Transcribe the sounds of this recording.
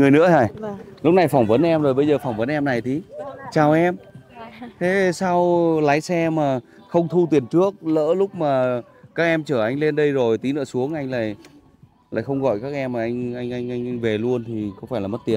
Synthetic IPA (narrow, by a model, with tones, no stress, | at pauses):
ŋɨ˨˩əjnɨ̰˧˥əhaː˨˩jlʊ˦˥k͡p̚na˨˩jfa˧˩wŋ͡mvə˨˦nʔɛ˧mzo˨˩jɓə˧jzəː˨˩fa˨˩wŋ͡mvə˨˦nʔɛ˧mna˨˩jt̪ʰi˨˦t͡ɕaː˨˩wʔɛ˧m | t̪ʰe˨˦sa˧wlaː˨˦jsɛ˧maː˨˩ | xə˧wŋ͡mt̪ʰu˧t̪̬i˨˩ənt͡ɕɨ˦˥ək̚lə̰ː˧˥lʊ˦˥k͡p̚maː˨˩ | kaː˦˥k̚ʔɛ˧mt͡ɕəː˧˩ʔa˧jŋ̟le˧nɗə˧jzo˨˩jt̪i˨˦nɨ̰˧˥əsu˨˦əŋʔa˧jŋ̟la̰ː˧˨j | la̰ː˧˨xə˧wŋ͡mɣɔ̰˧˨jkaː˦˥k̚ʔɛ˧mːaː˨˩ʔa˧jŋ̟ʔa˧jŋ̟ʔa˧jŋ̟ʔa˧jŋ̟ve˨˩lu˧ənt̪ʰi˨˩kɔ˨˦faː˧˩jlaː˨˩mə˦˥t̚t̪i˨˩ən